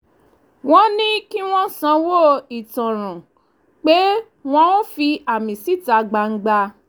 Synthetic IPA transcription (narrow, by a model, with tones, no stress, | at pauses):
w̃ɔ̃˦nĩ˦ki˦w̃ɔ̃˦sã˧˦wo˦˨i˨tɔ̃˨ɾ̃ã˨ | k͡pe˦ | w̃ɔ̃˧˦wõ˦fi˧a˨mĩ˨si˦˨ta˧ɡ͡ba˧ŋ̩˦ɡ͡ba˧